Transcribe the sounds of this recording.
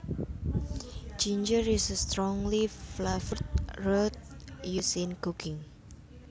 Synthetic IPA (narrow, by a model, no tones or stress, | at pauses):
d͡ʒind͡ʒəɾisst̪ɾɔŋliflafəɾt̪̚rot̪̚jusɪnkukʰɪŋ